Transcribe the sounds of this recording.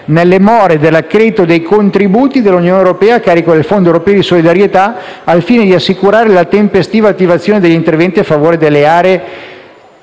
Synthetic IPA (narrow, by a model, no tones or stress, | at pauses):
nelːemɔːɾed̪elːakːɾet̪od̪ejkont̪ɾibuːt̪id̪elːunjoːnewɾopɛːaːkːaːɾikod̪elfond̪oewɾopɛːod̪isolid̪aɾjet̪aː | lfiːned̪iasːikuɾaːɾelat̪empest̪iːvat̪ːivat̪sːjoːned̪eʎːint̪ervɛnt̪iafːavoːɾed̪elːeaːɾeː